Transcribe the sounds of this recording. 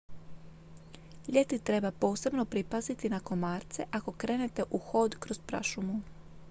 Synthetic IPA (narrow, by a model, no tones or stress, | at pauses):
ʎe̞t̪it̪ɾe̞bapo̞ːse̞bno̞pɾipazit̪inako̞maːɾt̪se̞ʔako̞kɾe̞ːne̞t̪e̞ʔuxo̞ːd̪kɾo̞zpɾa̰ʃumu